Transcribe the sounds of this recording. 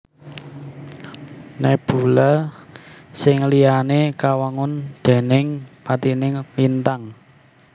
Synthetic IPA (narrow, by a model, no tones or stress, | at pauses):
nɛb̥ṳlə | sɪŋlianekawaŋʊnd̪̥e̤nɪŋpat̪inɪŋlint̪aŋ